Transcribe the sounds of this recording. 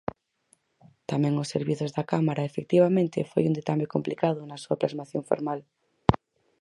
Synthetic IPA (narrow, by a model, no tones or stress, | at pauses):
t̪amɛ̃ŋoseɾβiθozðakamaɾaefek̚t̪iβamẽnt̪efo̰jund̪et̪amokomplikaðʊnasuaplazmaθjoɱfo̰ɾmal